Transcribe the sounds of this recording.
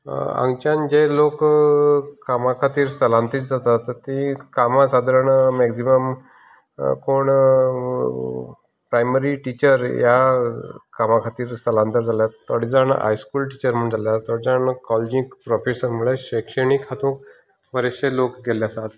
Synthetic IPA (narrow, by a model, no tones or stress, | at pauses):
a̰ŋɡt͡ɕãnd͡ʑelokː | amakʰat̪iːɾst̪əlãnt̪iːt̪d͡zat̪at̪t̪ːĩkamasad̪ʱaɾəɳmɛɡsiməm | koɳ | pɾajməɾiʈit͡ɕəɾja | kamakʰat̪iːɾst̪əlãnt̪əɾd͡zʱaljat̪ːɔɽid͡zaɳ̰ɦa̰jskuːlʈ̬it͡ɕəɾm̤əɳd͡zʱaljat̪ɔɽid͡zaɳkɔld͡ʑĩkpɾɔfesəɾmuɭeɕekʂəɳikɦat̪ũːk | pəɾeɕelokɡʱeljasat̪